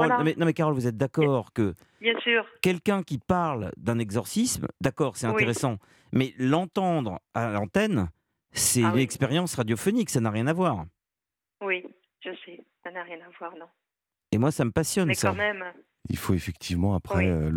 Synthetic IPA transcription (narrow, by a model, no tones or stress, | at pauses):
ɔlɔ̃mɛnɔ̃mɛkaʁɔlvuzɛt̪̚d̪akɔʁkə | bjɛ̃syːʁkʲɛlkʲɛ̃kʲipaʁld̪ɛ̃nɛɡzɔʁsismd̪akɔʁsɛt̪ɛ̃eeʁesɑ̃ | mɛlɑ̃t̪ɑ̃d̪ʁalɑ̃t̪ɛn | sɛt̪ynɛkspeʁjɑ̃sʁad̪jɔfɔniksanaʁjɛ̃navwaʁ | wi | ʒ̥əsɛsanaʁjɛ̃navwaʁnɔ̃ | emwasaməpasjɔnsãmɛm | ḭlfoefɛk̚t̪ʰivmɑ̃apχɛø